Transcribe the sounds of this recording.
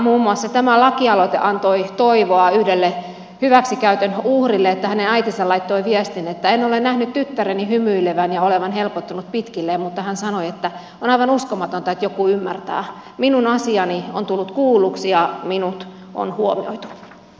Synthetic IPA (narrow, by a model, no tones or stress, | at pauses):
muːmːuɑsːɑt̪æmælɑkiɑlot̪ḛʔɑnt̪oit̪oiʋoɑyhdelːe | hyʋæksikæyt̪ønuhrilːeet̪ːæhænenæit̪isɑlɑit̪ːoiʋiest̪inet̪ːæenolennæhnyt̪t̪yt̪ːærenihymyileʋænjɑoleʋɑnhelpot̪ːɑnut̪̚pit̪kilːeːmmut̪ːɑhænsɑnoiet̪ːæ | onɑijʋɑnuskomɑt̪ont̪ɑet̪jokuymːært̪æ̰ː | minunɑsiɑnio̰nt̪ulːut̪kuːlːˑuksijɑminut̪ | ʔo̰nhuomio̰it̪u̥